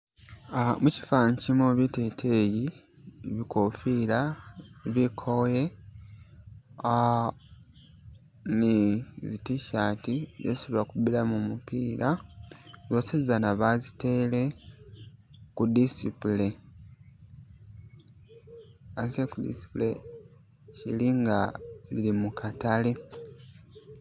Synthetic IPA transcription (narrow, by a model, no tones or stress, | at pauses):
muci̥faɲcimoβite̞tʰeːji | βikʰofiːlaβikʰoje | nizitiʃaːtizesuβakuβiɾamumupiːɾʔa | zosizanaβazite̞ːle | kudisipule | asekudḭsi̥pule | cḭliŋɡaz̥ḭlimukatale